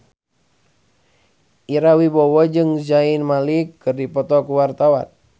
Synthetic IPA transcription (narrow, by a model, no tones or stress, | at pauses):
ʔiɾawibɔwɔd͡ʒɨŋzainmalikːɨrdipɔt̪ɔkuwart̪awa̰n